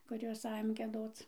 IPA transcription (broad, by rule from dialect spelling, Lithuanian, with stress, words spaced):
kʊˈrʲoːs ˈɑːjoːm ɡʲiɛˈdoːt͡s